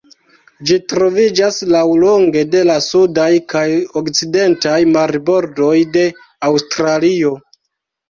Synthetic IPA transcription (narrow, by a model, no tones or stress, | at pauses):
d͡ʒitɾo̞vid͡ʒaslawlo̞ŋɡe̞de̞lasudajkʰajokt͡side̞ntajmaɾbo̞ɾdo̞jde̞ | awstɾalio̞